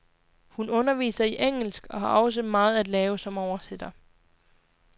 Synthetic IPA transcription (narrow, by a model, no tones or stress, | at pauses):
hunɔ̽nɐʋḭːsɐiʔeŋ̰l̩sɡ̥ɒ̽hɑ̈ʔɒ̽s̬əmɑ̈ːð̞̩ˠæd̥lɛːʊsɒ̽mɒʊɐsed̥ɐ